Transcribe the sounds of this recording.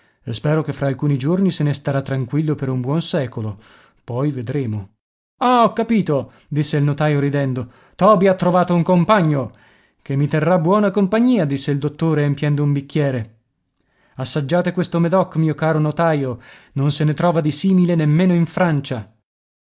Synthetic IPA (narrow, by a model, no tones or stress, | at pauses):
espɛːɾok̟efɾaːlkuːnid͡ʒornisenest̪aɾat̪ːɾaŋkwilːopeɾumbwɔnsɛːkolo | pɔjved̪ɾeːmo | aɔkːapiːt̪o | d̪isːeilnot̪ajoɾid̪ɛnd̪o | t̪ɔːbiat̪ːɾovaːt̪ouŋkompaɲːo | kemːit̪erːabːwɔːnakompaɲːiːad̪isːeild̪ot̪ːoːɾeampjɛnd̪oumbikːjɛːɾe | asːad͡ʒːaːt̪ekwest̪omed̪ɔkːmiːokaːɾonot̪aːjononsenet̪ɾɔːvad̪isiːmilenemːeːnoiɱfɾant͡ʃa